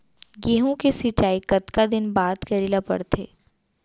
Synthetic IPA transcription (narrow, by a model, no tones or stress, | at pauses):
ɡeːɦõkesɪt͡ʃaːikɐt̪kad̪ɪnbaːt̪kɐɾiːlapɐ̰ɽt̪ʰḛː